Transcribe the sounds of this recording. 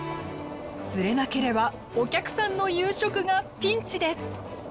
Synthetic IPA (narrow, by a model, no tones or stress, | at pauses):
sɨɾe̞nake̞ɾe̞ba | o̞kʲakɯ̟̥sãnːo̞jɯːɕo̞kɯ̟ɡapʲĩɲ̟t͡ɕid̪e̞sɨ̥